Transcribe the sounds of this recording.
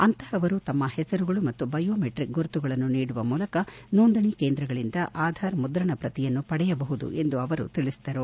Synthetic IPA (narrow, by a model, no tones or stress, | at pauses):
ɐnt̪ɐhɐʋɐɾut̪ɐmːɐhɛsɐɾuɡɐɭumɐt̪ːubɐjoːmeʈɾik̚ɡuɾt̪uɡɐɭɐnːuniːɽuʋɐmuːlɐkɐnoːnd̪ɐɳikeːnd̪ɾɐɡɐɭind̪ɐʔaːd̪ʱaːɾmud̪ɾɐɳɐpɾɐt̪ijɐnːupɐɽɛjɐbɐɦud̪ṵʔe̞nd̪uɐʋɐɾṵt̪iɭisid̪ɐɾu